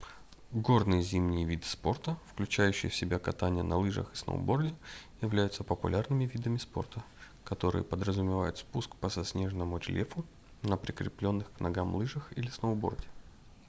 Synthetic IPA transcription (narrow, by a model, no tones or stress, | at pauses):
ɡo̞rnɨjzʲimnʲɪjvʲid̪ɨ̥spo̞rt̪əfklʲʉt͡ɕæjʉɕːɪ̰jəfsʲɪbʲakɐt̪anʲɪjənɐlˠɨʐə̰xɨ̥snə̰ʊ̰bo̞rdʲɪjɪvlʲæjʊt̪səpəpʊ̰lʲarnɨmʲɪvʲid̪əmʲɪspo̞̰rt̪ə | kɐt̪o̞ɾɨ̰jə̰pəd̪ɾəzʊmʲɪvajʊt̪spuskpəsɐsʲnʲe̞ʐnəmʊɾʲɪlʲefʊ | nəpɾʲɪkɾʲɪplʲo̞nːɨxknɐɡamlˠɨʐəxḭlʲɪsnəʊbo̞̰rdʲɪ̥